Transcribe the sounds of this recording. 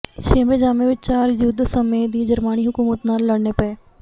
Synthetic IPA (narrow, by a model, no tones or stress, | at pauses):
ʃeːmed͡ʒaːmẽʋɪt͡ʃt͡ʃaːɾjʊd̪ʱsɐmed̪iːd͡ʒɐɾmaːniɦʊkuːmət̪naːlːɐɽɳepɐeː